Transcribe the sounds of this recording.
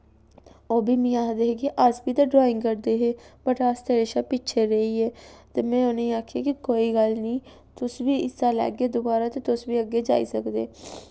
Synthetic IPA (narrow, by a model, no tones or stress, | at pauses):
oːbiːmĩːaːd̪eːɦeːkɪʔəsbiːt̪aːɖɾoːɪ̃ŋɡkəɾd̪eːɦeːbəʈast̪eɾeʃaːpɪːt͡ʃʰeːɾəiːɛːt̪eːmɛ̃ːʊneĩaːkʰjaːkikoːiːɡəlnĩː | t̪ʊsʋiːɪst̪aːlɛ̰ːɡeːd̪ʊbaːɾaːt̪eːt̪ʊsʋiːəɡːeːd͡ʒa̰ːḭːsəkd̪ḛː